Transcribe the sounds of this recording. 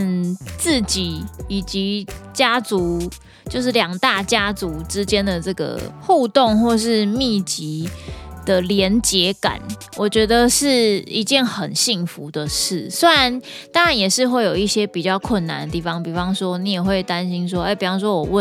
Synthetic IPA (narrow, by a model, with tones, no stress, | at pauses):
nt͡s̩˥˨t͡ɕi˨˦i˨˩t͡ɕi˧˦t͡ɕja˥t͡su˧˦ | t͡ɕjo˥˧ʊʂ̬ɻ̩˥˩ljɑ˨˩ŋt̪a˥˩t͡ɕja˥t͡su˧˦ʈ͡ʂɻ̩˦t͡ɕjɛ˥˦nd̪ə˨ʈ͡ʂɤ˥˩ɡə̰˩xu˥˧t̪ɔ˥˧ŋxwɔ˥˧ʂ̬ɻ̩˥˧mi˥˩t͡ɕi˨˧˦d̪̥ə˨ljɛ˧˦nt͡ɕjɛ˧˦ka̰˨˩˦n | wʔɔ˨˩t͡ɕɥɛ˧˥d̪ə˧ʂɻ̩˥˩i˧˦t͡ɕjɛ˥˩nxə˨˩nɕi˥˩ŋfu˨˦d̪ə˨ʂɻ̩˥˩swe˥ɻa˧˦n | t̪ɑ˥ŋɻa˨˦njɛ˨˩ʂɻ̩˥˧xwe˥˩ɪjo˨˩ʊi˥˩ɕjɛ˥pi˨˩t͡ɕjɑ˥˧ʊkʰwə˥˩nːa̰˨nd̪ə˩t̪i˥˩fɑ˦ŋpi˨˩fɑ˧˦ŋswɔ˦˥ni˨˦jɛ˨˩xwe˥˩ɪt̪a˦nɕi˦˥nʂ̬wɔ˦e˧˥ɪpi˨˩fɑ˥ŋs̬wɔ˦˥wɔ˨˩wə˥˨